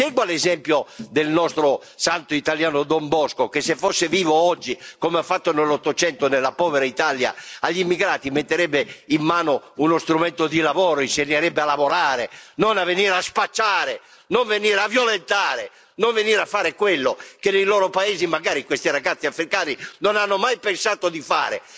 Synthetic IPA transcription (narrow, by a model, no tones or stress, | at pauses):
sɛɡwalezɛmpjod̪elnɔst̪ɾo | sant̪oit̪aljaːnod̪ombɔskokesːefːosːeviːvoɔd͡ʒːikomeafːat̪ːonelːot̪ːot͡ʃɛnt̪onelːapɔːveɾait̪alja̰aʎːimːiɡɾaːt̪imet̪ːeɾɛbːeimːaːnounost̪ɾumɛnt̪od̪ilavɔːɾoinseɲːeɾɛbːealavoɾaːɾenonavːeniːɾaspat͡ʃːaːɾe | noɱveniːɾavjolent̪aːɾe | noɱveniːɾafːaːɾekwelːokenejloːɾopaeːzimaɡaːɾikwest̪iɾaɡat̪sːiafɾikaːninonanːomajpensaːt̪od̪ifa̰ːɾḛ